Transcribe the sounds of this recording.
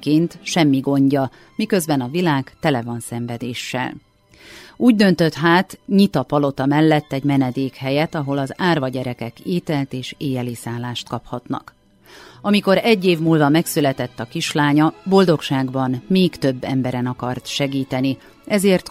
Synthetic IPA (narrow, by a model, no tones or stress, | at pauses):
keːnt̪ʃɛmːiɡo̞ɲɟɒ | mikø̞zbɛnɒvilaːɡt̪ɛlɛvɒnsɛɱvɛd̪eːʃːɛ̰l | uːɟ̚d̪ønt̪ø̞t̪ɦaːt̪ɲit̪ɒpɒlo̞t̪ɒmɛlːɛt̪ːɛɟmɛnɛd̪eːkhɛjɛt̪ɒɦo̞lɒzaːrvɒɟɛɾɛkɛkeːt̪ɛlt̪eːʃeːjɛliːsaːlːaːʃt̪kɒphɒt̪nɒ̰k | ɒmiko̞ɾɛɟːeːvmuːlvɒmɛksylɛt̪ɛt̪ːɒkiʃlaːɲɒbo̞ld̪o̞kʃaːɡbɒnmeːkt̪ø̞bːɛmbɛɾɛnɒkɒrt̪ʃɛɡiːt̪ɛni | ɛzeːrt̪